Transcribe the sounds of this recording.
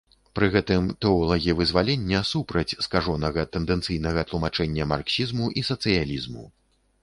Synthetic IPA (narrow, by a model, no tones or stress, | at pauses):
pɾɨɣɛt̪ɨmt̪ɛɔlˠɐɣʲivɨzvalʲenʲːɐsupɾɐt͡sʲskaʐɔnɐɣɐt̪ɛnd̪ɛnt̪sɨjnɐɣɐt̪lˠumat͡ʂɛnʲːɐmarksʲizmuʔisɐt̪sɨjalʲizmṵ